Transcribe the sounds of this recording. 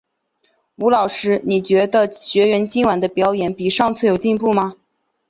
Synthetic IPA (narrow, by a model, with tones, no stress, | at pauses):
u˧˥lɑ˨˩ʊʂɻ̩˥ni˨˩t͡ɕɥɛ˧˥d̪ə˧ɕɥɛ˧˥ɥɛ˧˥nt͡ɕi˥ŋwa˨˩nd̪ə˧pjɑ˧˥ʊjɛ˧˥npi˨˩ʂɑ˥˧ŋt͡sʰɹ̩˥˩jo˨˩ʊt͡ɕi˥˧npu˥˩mɐ˨˩